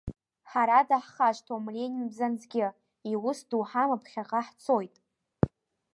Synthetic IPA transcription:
ħaɾadaħχaʃʷtʰomlenʲbzanzɡʲɪ | iwʊsduħamapʰχʲaqʼaħt͡sʰo̞jtʼ

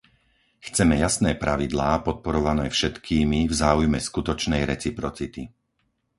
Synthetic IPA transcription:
xt͡sɛmɛjasnɛːpɾaʋid̪laːpɔt̪̚pɔɾɔʋanɛːfʃɛt̪kʰiːmivzaːujmɛskut̪ɔt͡ʃnɛjɾɛt͡sipɾɔt͡sit̪i

